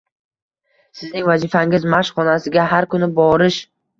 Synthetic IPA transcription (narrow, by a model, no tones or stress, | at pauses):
sɪznɪŋvazifaŋɪzmaʃχɒnasɪɡʲaɦaɾkʰʊnɪbɒɾɪʃ